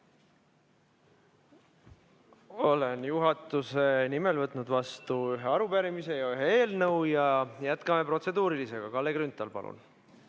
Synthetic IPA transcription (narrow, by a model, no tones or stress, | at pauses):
o̞le̞njuɦɑt̪ːˑuse̞nime̞lvɤt̪ːˑnud̪vɑst̪uyɦeɑɾupæɾimise̞jɑyɦee̞ːlnɤwjɑjæt̪kɑme̞pro̞t̪se̞d̪uːɾilise̞ɡ̥ɑkɑlːe̞ɡrynt̪ːˑɑlpɑ̰lṵn